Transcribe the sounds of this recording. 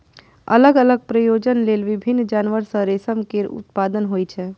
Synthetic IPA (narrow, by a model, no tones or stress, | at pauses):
ə̰ləɡələɡ̚pɾəjod͡ʒənlelʋibʱinːd͡ʒanʋəɾsə̃ɾesəmkeɾṵt̪̚pad̪ənɦojt͡ʃʰɛ